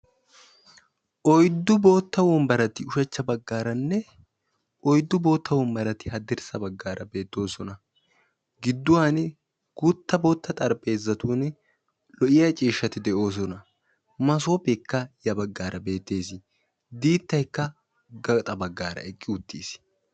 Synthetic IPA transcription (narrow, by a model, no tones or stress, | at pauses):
ʔɔjd̪ːʊbo̞ːt̪ːɐwɔmbɐɾɐt̪ɪʊʃɛt͡ʃːɐbɐɡːaːɾɐnːɛ | ʔɔjd̪ːʊbo̞ːt̪ːɐwɔmbɐɾɐt̪ɪɦɐd̪ɪɾsɐbɐɡːaːɾɐbe̞ːt̪ːo̞ːsɔnɐ | ɡɪd̪ːʊwaːn | ɡ̥ʊt̪ːɐboːt̪ːɐt̪ʼɐɾpʼe̞ːzːɐt̪uːn | lɔʔɪjɐt͡ʃʼiːʃːɐt̪ɪd̪ɛʔo̞ːs̬ɔnɐ | mɐs̬o̞ːpekːɐjɐbɐɡːaːɾʔɐbe̞ːt̪ːe̞ːsɪ | d̪iːt̪ːɐjkːɐ | ɡɐt̪ʼɐbɐɡːaːɾɐ̰ɛkʼːɪʊt̪ːiːs